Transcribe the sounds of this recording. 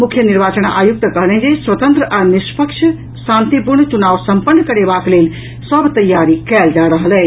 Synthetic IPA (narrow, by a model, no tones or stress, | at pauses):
mukʰjəniɾbat͡ʃənaʔajuk̚t̪əkəɦlɛɦd͡ʒeswət̪ə̃nt̪ɾəʔanispʰəkʃʰ | sãnt̪ipuɾɳət͡ʃunaʋsəmpənːəkəɾebaklel | səbt̪əjaɾikɛld͡ʒaɾəɦəlɛ